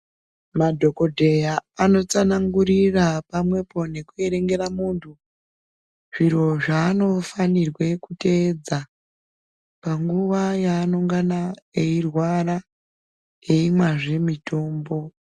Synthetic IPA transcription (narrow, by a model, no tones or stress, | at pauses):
madʱo̞ko̞dʱe̞jaːno̞t͡sanaŋɡuɾirapamwe̞po̞ne̞kue̞ɾe̞ŋɡe̞ɾamuːntʰu | ʐ̥iro̞ʐaːno̞fanirwe̞kute̞ːd͡za | paŋɡuʋajaːnoŋɡanaeirwara | je̞imwaʐe̞mitʰo̞ːmbo̞